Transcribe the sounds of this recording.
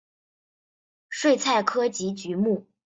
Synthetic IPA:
ʂwe˥˧ɪt͡sʰa˥˩ɪkʰɤ˥t͡ɕi˧˥t͡ɕy˧˥mu˥˩

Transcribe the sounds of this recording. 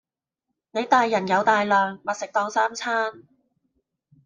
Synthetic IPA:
ne˨˧jt̪aː˨jːɐ˨˩njɐ˨˧wt̪aː˨jlœː˨ŋmɐ˨t̚sɪ˨k̚t̪ɔː˧ŋsaː˥mt͡sʰaː˥n

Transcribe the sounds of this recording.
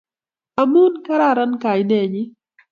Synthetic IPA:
a˨mu˦nka˦ɾa˦˨ɾa˦nka˨jnɛ˨ɲɪ˦

